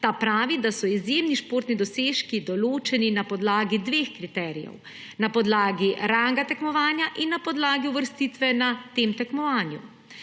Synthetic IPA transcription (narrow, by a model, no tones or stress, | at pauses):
t̪aːpɾaːʋid̪asɔizjeːmniʃpoːɾt̪nid̪ɔseːʃkid̪ɔloːt͡ʃɛninapɔd̪laːɡid̪ʋeːxkɾit̪ɛːɾḭjɛ̰w | napɔd̪laːɡiɾaŋɡat̪ɛkmɔʋaːnjaʔinːapɔd̪laːɡiuʋəɾst̪iːt̪ʋɛnat̪eːmt̪ɛkmɔʋaːnjṵ